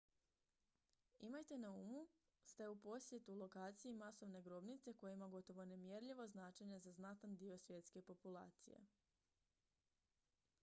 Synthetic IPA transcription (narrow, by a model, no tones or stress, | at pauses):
imajt̪e̞nauːmu | st̪e̞upo̞sje̞t̪ulˠo̞kaːt̪sijimaso̞ʋne̞ɡɾo̞bnit̪se̞ko̞jeimaɡo̞t̪o̞ʋo̞ne̞mjeɾʎiʋo̞znaːt͡ʃe̞ɲe̞zaznat̪and̪io̞sʋje̞t̪ske̞po̞pulˠa̰ːt̪sḭjḛ